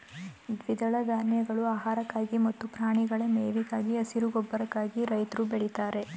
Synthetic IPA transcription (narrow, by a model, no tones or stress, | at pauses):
d̪ʋid̪ɐɭɐɡ̪aːnjɐɡɐɭuaːɦaːɾɐkːaːɡimɐt̪ːupɾaːɳiɡɐɭemeːʋikaːɡiɐsiɾuɡɔbːɐɾɐkːaːɡiɾɐjt̪ɾubeɭit̪aːɾe̞